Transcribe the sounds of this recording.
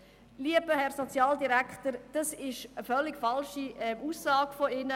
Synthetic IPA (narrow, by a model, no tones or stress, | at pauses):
liəbəhɛɾsot͡sjɑːldiɾækχtəɾd̥ɑsɪʃəfœlːɪkfɑlʃiɛmuːsːɑːɡ̥foɪnə